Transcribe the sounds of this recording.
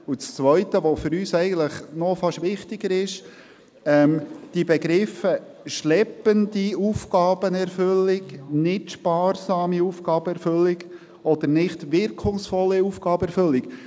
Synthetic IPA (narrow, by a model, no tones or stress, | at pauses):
ut͡st͡sʋœʏtəʋofʏɾyːsɛɪɡən̩tləχnɔfɑʃʋɪχtɪɡəɾɪʃ | ɛmd̥ibɛɡɾɪfə | ʃlɛpːəndiuːfɡ̥ɑːb̥ənɛɾfʏlːɪɡnɪtʃpɑːrsɑːmiufɡ̥ɑːbəɛɾfɵlːiɡ | ɔd̥̪əɾnɪχtʋɪɾkʰʊŋsfɔlːiufɡ̥ɑːbəɛɾfɵlːɪk